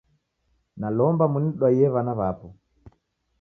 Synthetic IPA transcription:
nalɔmbamuniɗwajɛβanaβapɔ

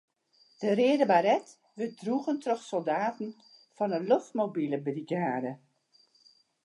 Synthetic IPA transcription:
d̥ərɪədəbaɾɛt | ʋədruɣəntroxsolˠdaːtn̩ | fɔnəloftmobiləbriɡaːdə

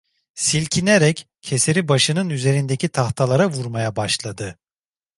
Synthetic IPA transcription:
silʲcʰineɾɛc | cʰːe̞se̞ɾibaʃɯnɯnyze̞ɾind̪ecʰit̪ʰaxt̪ʰalˠaɾavuɾmajabaʃlˠad̪ɯ

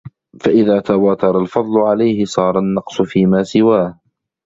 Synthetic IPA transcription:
faʔɪðaːt̪awaːt̪ɑɾˤɑlfɑd̪ˤlʊʕalajhɪsˤɑːɾˤɑnːɑqsʊfiːmaːsɪwaːh

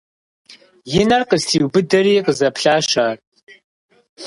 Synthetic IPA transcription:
jɪnɐrqʼəstʰiwbɨdɐriːqʼəzɐpʰɬaːʃaːr

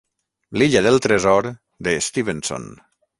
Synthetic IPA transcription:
liʎaðəlˠt̪ɾezɔɾ | d̪eːst̪iβenso̰n

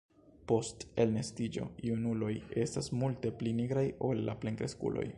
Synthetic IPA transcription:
po̞ste̞lne̞stid͡ʒo̞̰iunulo̞je̞stasmulte̞pliniɡɾajo̞lːa̰pleŋkɾe̞skṵlʔo̞̰j

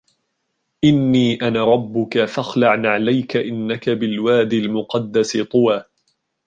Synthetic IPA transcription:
ʔɪnːiːʔanaɾˤɑbːʊkafaxlaʕnʕalajkaʔɪnːakabɪlwaːd̪ɪlmʊqɑd̪ːasɪt̪ˤʊwaː

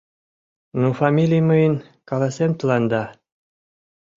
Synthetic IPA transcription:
nufɑmʲilʲijmɯjən | kɑlɑsent̪lˠɑnd̪ɑ

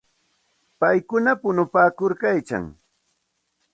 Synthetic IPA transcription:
pajkʊnapʊnʊpaːkʊɾkajt͡ʃa̰ŋ

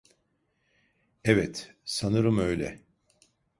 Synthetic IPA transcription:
evɛt̪sanɯɾɯmø̞jlʲɛ̰

